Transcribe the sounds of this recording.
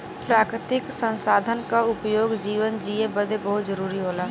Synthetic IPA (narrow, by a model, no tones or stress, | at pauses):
pɾaːkɾɪt̪ɪksə̃nsaːd̪ʱənkaʊpjoːɡd͡ʒiːʋənd͡ʒiːebəd̪ʱebəɦʊt̪d͡ʒəɾuːɾiɦoːlaː